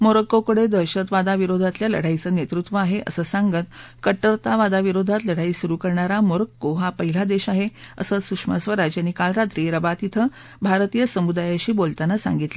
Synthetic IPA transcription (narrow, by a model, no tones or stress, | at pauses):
moɾəkːokəɽed̪əɾɕət̪ʋad̪aʋiɾod̪ʱat̪ljalə̰ɽ̤ait͡səːnet̪ɾut̪ʋəaɦeʔə̰səːsãŋɡət̪kəʈːəɾt̪aʋad̪aʋiɾod̪ʱat̪ləɽ̤aiːsuɾuːkəɾɳaɾamoɾəkːoɦapəɦilad̪eɕaɦeə̰səsukʂməsʋəɾad͡ʑjanikalɾat̪ɾiːɾəbat̪it̪ʰə | bʱaɾt̪ijəsəmud̪ajaɕiːbolt̪anasa̰ŋɡit̪lə